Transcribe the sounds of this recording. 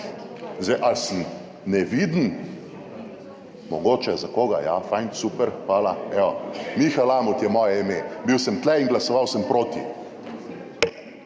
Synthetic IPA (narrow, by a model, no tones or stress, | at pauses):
zɛjʔalsəm | nɛʋid̪n̩ | mɔɡoːt͡ʃɛzakoːɡa̰jafajnsupɛɾpalaɛɔmixalamut̪jɛmɔjɛimebiwsəmt̪lɛinɡlasɔʋawsəmpɾoːt̪ḭ